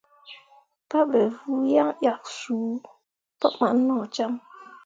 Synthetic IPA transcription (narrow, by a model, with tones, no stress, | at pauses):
pa˦bɛ˨vu˦ja˦ŋʔja˨k̚suː˨˦ | pɔ˦ma˨n̩˦nɔ˦˨t͡ʃa˦m